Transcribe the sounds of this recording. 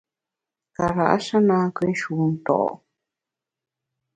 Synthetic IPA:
ka˨ɾa˨ʔa̰˦ʃa˦nãː˧˦kɨ˧˦ʃu˧t̪o̰˨ʔo̰˧˨

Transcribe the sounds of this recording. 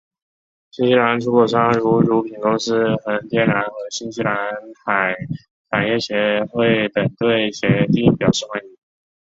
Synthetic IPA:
ɕi˥nɕi˥la˧˥nʈ͡ʂʰu˧˥kwɔ˨˩ʂɑ˥ŋɻu˧˥ɻu˧˥pʰi˨˩ŋko˥ŋʂɻ̩˥xə˧˥nt̪ʰjɛ˥˩nɻa˧˥nxɤ˧˥ɕi˥nɕi˥la˧˥nxa˨˩˦ɪ | tʰa˨˩ɪjɛ˥˩ɕjɛ˧˥xwe˥˩ɪt̪ə˨˩nt̪we˥˩ɪɕjɛ˧˥t̪i˥˩pjɑ˨˩ʊʂɻ̩˥˩xwa˧˥ni˧˥

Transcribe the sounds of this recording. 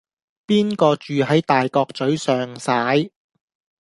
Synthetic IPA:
piː˥nkɔː˧t͡ʃyː˨ɦɐ˨˥jt̪aː˨jkɔː˧k̚t͡sɵ˨˥ɥsœː˨ŋsaː˨˥j

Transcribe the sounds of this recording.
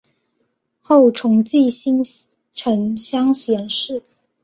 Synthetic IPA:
xo˥˩ʊʈ͡ʂʰʊ˧˥ŋt͡ɕi˥˨ɕi˥ŋ | ʈ͡ʂʰə˧˥nɕjɑ˥ŋɕjɛ˧˥nʂɻ̩˥˩

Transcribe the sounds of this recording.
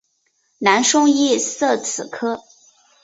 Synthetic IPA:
na˧˥nʂʊ˥ŋi˥˩sɤ˥˩t͡s̩ʰ˨˩kʰɤ˥

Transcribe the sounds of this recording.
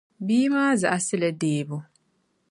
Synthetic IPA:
biː˦maː˦za̰˨ʔa˦sɪ˦la˨deː˦bʊ˦

